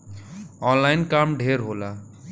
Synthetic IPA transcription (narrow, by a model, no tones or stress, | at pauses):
ɔ̃nlajnkamɖʱeɾɦola